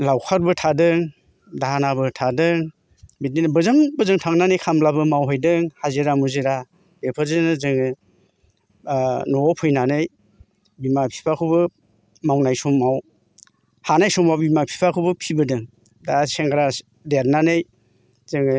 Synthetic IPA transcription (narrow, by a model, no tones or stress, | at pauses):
lawkʰaɾbɯtʰadɯŋ | daɦanabɯtʰadɯŋ | bit̚ninbɯzambɯzɯŋtʰaŋnanɯjkʰamblabɯmawɦɯjdɯŋhazeɾamuzeɾa | bepʰaɾzenɯzɯŋɯ | nɔɔpʰɯjnanɯj | bimapʰi̥pʰakʰɯbɯ | mawnajsɔmːaw | hanajsɔmawbimapʰi̥pʰakʰuwbɯpʰibɯdɯŋ | daseŋɡɾa | deɾnanɯj | zɯŋɯ